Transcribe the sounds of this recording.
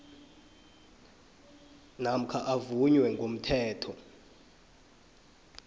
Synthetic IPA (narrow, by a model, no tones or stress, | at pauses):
nam̩kʰaʔavuɲwɛŋɡʱom̩tʰɛːtʰɔ